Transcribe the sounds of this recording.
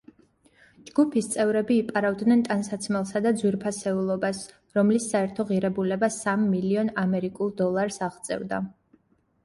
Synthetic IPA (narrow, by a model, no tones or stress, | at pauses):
d͡ʒɡupʰist̪sʼɛvɾɛbiːpʼaɾavd̪nɛnt̪ʼansat̪sʰmɛlˠsad̪ad̪zwiɾpʰasɛulˠɔbas | ɾɔmlisːaɛɾt̪ʰɔʁiɾɛbulɛbasamːiliɔnamɛɾikʼulˠd̪ɔlˠaɾsaʁt̪sʼɛ̰vd̪a̰